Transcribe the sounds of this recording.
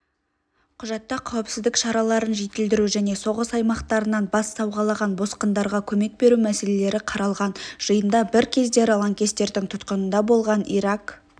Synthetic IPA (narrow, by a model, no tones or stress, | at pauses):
qʰʊʒɑt̪ːɑqʰɑwɪpsɪzd̪ɪkʃɑɾɑlˠɑɾənʒe̞t̪ɪld̪ɪɾuʒæne̞so̞ʁəsɑjmɑqt̪ɑɾənɑnbɑsːɑwʁɑlˠɑʁɑnbo̞sqənd̪ɑɾʁɑkʲʰɵme̞k̚be̞ɾumæse̞le̞le̞ɾɪqʰɑɾɑlˠʁɑnʒ̥əjənd̪ɑbɪɾkʲʰe̞zd̪e̞ɾɪlˠaŋkʲe̞st̪e̞ɾd̪ɪŋt̪ʰʊt̪qənənd̪ɑbo̞lˠʁɑniɾak